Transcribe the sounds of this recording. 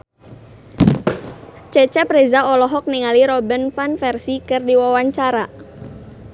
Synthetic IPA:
t͡ʃɛt͡ʃɛpɾezaɔlɔɦɔk̚niŋaliɾɔbənfanfɛrsikɨrdiwawaɲt͡ʃaɾa

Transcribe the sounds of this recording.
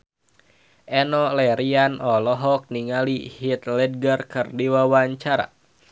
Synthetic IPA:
ʔɛnɔlɛɾianɔlɔɦɔk̚niŋalihit̪̚lɛd̚ɡərkɨrdiwawaɲt͡ʃaɾa̰

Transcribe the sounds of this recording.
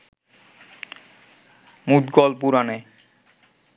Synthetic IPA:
mud̪ɡɔlpuɾane

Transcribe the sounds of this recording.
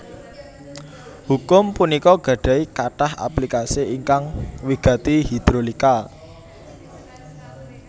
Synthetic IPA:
hukʊmpunikɔɡ̥ä̤ɖ̥a̤ikaʈaha̰plikasiiŋkaŋwiɡ̥ä̤t̪ihid̪̥ɾolika

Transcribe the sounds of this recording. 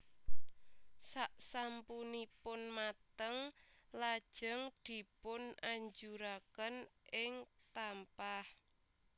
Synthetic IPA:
saʔsampunipʊnmat̪əŋlad̥ʒ̥əŋd̪̥i̤pʊnaɲd͡ʒuɾakənʔɪŋt̪ampah

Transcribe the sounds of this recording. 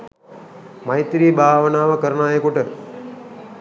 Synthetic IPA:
mɐjt̪ɾiːbʱaːʋənaːʋəkəɾənaːjəkuʈə

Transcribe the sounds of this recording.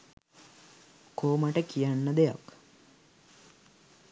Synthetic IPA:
koːmaʈəkijanːəd̪eja̰k

